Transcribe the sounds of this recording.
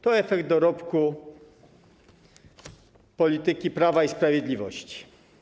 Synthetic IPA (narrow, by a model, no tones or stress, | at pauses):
t̪ɔɛfɛɡd̪̚d̪ɔɾɔpku | pɔlʲit̪ɘkʲipɾavaispɾavʲjɛd̪lʲivɔɕt͡ɕi̥